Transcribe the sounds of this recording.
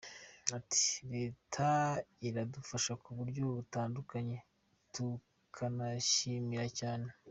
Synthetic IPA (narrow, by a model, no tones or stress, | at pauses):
ati̥ɾe̞ːtʰaiɾadufaʃakuβuɾɟo̞βutaːndukaɲe̞ | tu | kʰanaʃimiɾacaːne̞